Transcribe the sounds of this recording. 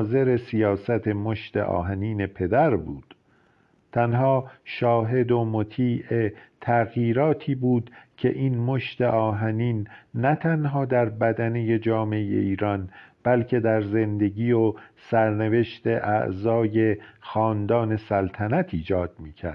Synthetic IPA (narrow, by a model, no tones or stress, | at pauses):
ze̞ɾesijɒːsæt̪ʰe̞moʃt̪ḛʔɒ̰ːɦæniːne̞pʰe̞d̪æɾbṵːd̪̥ | t̪ʰænɦɒːʃɒːɦe̞d̪omot̪ʰiːʔet̪ʰæɣjiːɾɒːt̪ʰiːbuːd̪̥cʰe̞̰ʔiːnmoʃt̪e̞ʔɒːɦæniːnːæt̪ʰænɦɒːd̪æɾbæd̪æne̞je̞d͡ʒɒːmeejḛiːɾɒnb̥ælcʰe̞d̪æɾze̞nd̪e̞ɟiːosæɾne̞ve̞ʃt̪e̞ʔæ̰ʔzɒːje̞xɒːnd̪ɒːne̞sælt̪ʰænæt̪ʰiːd͡ʒɒːd̪̚miːcʰæ̰ɾd̪̥